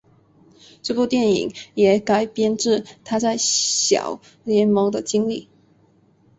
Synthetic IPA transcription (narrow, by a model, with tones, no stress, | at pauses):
ʈ͡ʂɤ˥˧pu˥˧t̪jɛ˥˩nḭ˨˦ŋjɛ˨˩˥ka˥ɪpjɛ˥nʈ͡ʂɻ̩˥˩t̪ʰa˥t͡sa˥˩ɪɕjɑ̰˨˩˦ʊ | ljɛ˧˥nmɤ˧˥ŋd̪ə˧t͡ɕi˥ŋli˥˩